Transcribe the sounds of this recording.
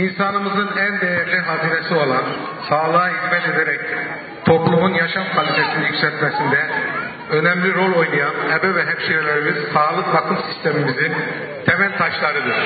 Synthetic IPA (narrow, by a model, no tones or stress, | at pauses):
insanɯmɯzɯnænd̪ejæɾlʲiɦaziːnesio̞lˠan | saːlˠɯːizmɛt̪e̞d̪eɾɛc | t̪ʰo̞plˠumunjaʃamkʰvalʲit̪ʰe̞sinijycsɛt̪mesind̪ɛ | ø̞nɛmlʲiɾo̞lʲo̞jnajanɛbɛvɛɦɛpʃiɾelʲeɾimiz̥saːlˠɯkbakʰɯmsi̥st̪ʰe̞mimizin | t̪ʰemælʲt̪ʰaʃlˠaɾɯd̪ɯɾ̥